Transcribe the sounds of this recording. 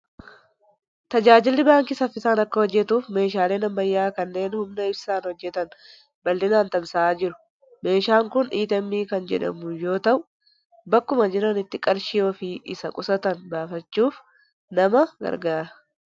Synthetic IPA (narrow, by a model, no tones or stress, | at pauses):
t̪ɐd͡ʒaːd͡ʒɪlːɪbaːŋkɪsɐfɪsaːnɐkːɐhɔd͡ʒːɛt̪uːfme̞ːʃ̬aːle̞ːnɐmːɐjːaːkɐnːe̞ːnhʊmnɐɪb̥saːnhɔd͡ʒːɛt̪ɐn | bɐlːɪnaːnt̪ɐmsaːd͡ʒɪɾʊ̥ | me̞ːʃaːŋkʊniːt̪ɐmːiːkɐnd͡ʒɛ̰ᶑɐ̰mʊjo̞ːt̪ɐʔʊ | bɐkːʊmɐd͡ʒɪɾɐnɪt̪ːɪkʼɐɾʃɪjoːfɪʔɪsɐkʼʊsɐt̪ɐnbaːfɐt͡ʃːuːf | nɐmɐɡɐ̰ɾɡaːɾɐ̥